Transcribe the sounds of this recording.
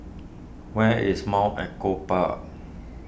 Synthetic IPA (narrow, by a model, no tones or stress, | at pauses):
wɛḭsmɔ̃ʔɛkopa̰ʔ